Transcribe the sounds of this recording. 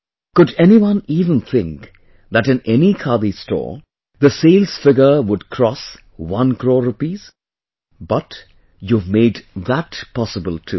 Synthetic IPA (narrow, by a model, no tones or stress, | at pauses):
kʊdɛniwʌ̃nivə̃nθʰɪ̃ŋk | ðæɾɨ̃nɛnikʰalistʰɔ̰ːɹ | ðəseɪlz̥fɪɡə˞wʊd̚kʰɾ̥ɔs | wʌ̃nkʰɹoːɹupiz̥ | bʌt | juvmeɪd̪ðætpɑsəbəlˠtʰṵ